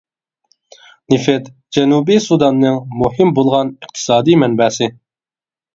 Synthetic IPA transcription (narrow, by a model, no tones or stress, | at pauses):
nɪfɛt̪ | d͡ʒɛnubisud̪ɑnːɨŋmuhɪmbolˠʁɑnəqt̪ʰɨ̥sɑːd̪ijmɛnbɛːsɪ